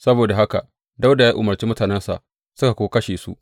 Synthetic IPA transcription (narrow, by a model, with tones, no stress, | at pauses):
sɐ˦boː˨da˨ɦa˦ka˨ | da˦wda˨ja˦ʔʊ˨mɐ˨rt͡ʃiː˦mʊ˦taː˨nɛ˦nsa̰˨ | sʊ˦ka˨kʷoː˦kɐ˦ʃeː˨sṵ˦ʔ